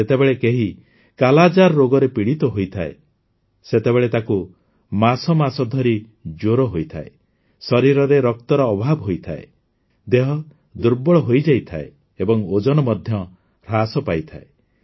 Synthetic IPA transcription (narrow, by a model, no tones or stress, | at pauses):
et̪ebeɭekeɦi | kalad͡ʒaɾːoɡɔɾepiɽit̪ɔɦojt̪ʰae | set̪ebeɭet̪aku | masɔmasɔd̪ʱɔɾi | d͡ʒoɾɔɦojt̪ʰae | sɔɾiɾɔɾeɾɔk̚t̪ɔɾɔːbʱabɔɦojt̪ʰae | d̪eɦɔ | d̪uɾbɔɭɔɦojd͡ʒajt̪ʰae | ebɔŋod͡ʒɔnɔmɔd̪ʱjɔ | ɾasɔpajt̪ʰae